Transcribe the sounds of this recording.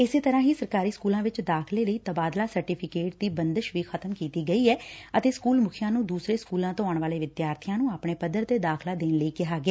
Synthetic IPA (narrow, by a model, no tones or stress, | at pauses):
ɪseːt̪əɾãːɦiːsəɾkaːɾiːskuːlãːʋɪt͡ʃd̪aːkʰleːləiːt̪əbaːd̪laːsəɾʈiːpʰɪkeːʈ̚d̪iːbənd̪əʃʋiːkʰət̪əmkiːt̪iːɡəiːɛːət̪eːskuːlmʊkʰijãːnũːd̪uːsɾeːskuːlãːt̪õːaːɳʋaːleːʋɪd̪jaːɾt̪ʰijãːnũːaːpɳeːpəd̪əɾt̪eːd̪aːkʰlaːd̪eːnləiːkɪɦaːɡɪɛː